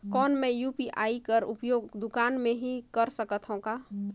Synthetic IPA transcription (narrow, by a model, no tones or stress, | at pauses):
kɔːnmẽjuːpiʔaːikəɾʊ̰pjoːɡd̪ʊkaːnmẽɦikəɾsəkət̪ʰɦõkaː